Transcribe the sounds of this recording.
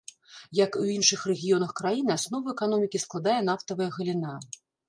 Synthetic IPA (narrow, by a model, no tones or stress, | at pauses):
jɐkuinʂɨxrɛɣʲijɔnɐxkɾajinɨasn̪ɔvɐɛkanɔmʲikʲisklˠad̪ajɛn̪aft̪ɐvɐjɐɣɐlʲina